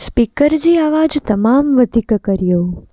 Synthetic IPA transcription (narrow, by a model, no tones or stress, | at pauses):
spikəɾd͡ʒiaʋad͡ʒt̪əmamʋəd̪ʱikkəɾjo